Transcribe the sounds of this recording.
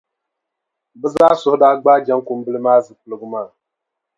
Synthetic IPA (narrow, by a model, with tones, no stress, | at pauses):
bɨ˦zaː˦sʊ˨hʊ˦daː˦ɡ͡baː˦d͡ʒa˦ŋku˨m̩˦bɨ˦lɨ˦maː˦zɨ˨k͡pɨ˨lɨ˨ɡɨ˦maː˦˨